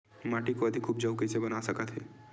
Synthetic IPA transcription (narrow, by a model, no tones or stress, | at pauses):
maːʈikoɐd̪ʱikʰːuːb̚d͡ʒɐwkesebɐnasɐkət̪ɦɛ̰ː